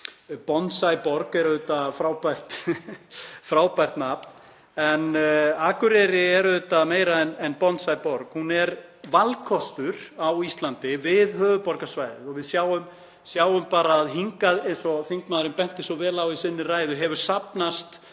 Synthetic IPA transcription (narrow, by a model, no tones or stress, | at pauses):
pɔnt̪sajpɔɾkɛɾðʏt̪afɾaːwpajr̥t̪ | fɾaːwpajr̥t̪napn | ɛnaːkʏɾɛɾɪɛɾʏðʏt̪ameːjɾaɛnɛnpɔnt̪sajpɔɾkhunɛɾvalkʰɔst̪ʏɾawist̪lant̪ɪvɪðɦœːvʏpɔɾkasvaːjðɪ̰ɔɣvɪðsjaːwʏm | sjaːwʏmpaːɾaːðɦiŋkaðejnsɔθiŋkmaːðɾɪmpɛn̥t̪ɪsɔvɛːlawisɪnːɪraːjðʏɦɛvʏɾ̥sapnast̪